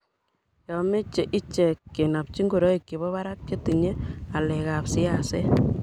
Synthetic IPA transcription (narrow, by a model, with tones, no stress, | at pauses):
jɔ˨me˦t͡ʃe˨ʔi˦t͡ʃɛ˨kːe˨na˨p̚t͡ʃi˦ŋɡo˨ɾɔ˦i˨kːi˨βɔ˦βa˦ɾa˦kt͡ʃe˦ti˨ɲe˦a˨lɛ˨ka˨psɪ˦ase˦